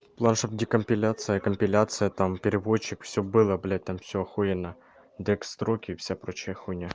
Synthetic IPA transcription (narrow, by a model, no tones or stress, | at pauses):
plˠanʂopdʲikəmʲpʲɪlʲat̪sɨjəkəmʲpʲɪlʲat̪sɨjət̪ampʲɪɾʲɪvot͡ɕːɪkfsʲɵbɨlˠəblʲat̚ʲt̪amfsʲoɐxojɪnɐ | d̪ɛkst̪ɾokʲɪːfsʲapɾot͡ɕɪjəxunʲa